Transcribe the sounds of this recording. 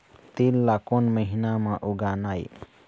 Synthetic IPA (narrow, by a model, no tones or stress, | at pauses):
t̪ilːakonməɦinamãʔuɡaːnaːj